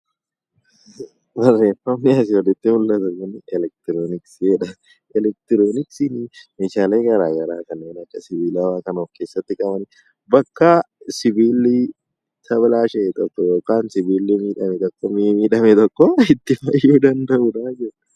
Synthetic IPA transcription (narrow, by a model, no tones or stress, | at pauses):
bɐrːe̞ːfɐmnɪɐs̬ɪwɔlɪt̪ːɪmʊlːɐt̪ʊkʊnɛlɛk̚t̪ɪɾoːnɪksɛᶑɐ | ɛlɛk̚t̪ɪɾoːnɪksɪnɪmeːʃaːle̞ːɡɐɾaːɡɐɾaːkɐnːeːnɐkːɐsɪbiːlɐwaːkɐnoːfke̞ːsːɐt̪ːɪkʼɐbɐn | bɐkːɐ | sɪbiːlːɪ | t̪ʰɐblaːʃɛːt̪ʼɔkːɔjo̞ːkaːnsɪbiːlːɪmiːᶑɐmɛt̪ʼɔkːɔmimiːᶑɐmɛt̪ʼɔkʼːɔɪt̪ːɪfɐjːuːd̪ɐnd̪ɐʔʊd̪aːd͡ʒɛᶑɐ̥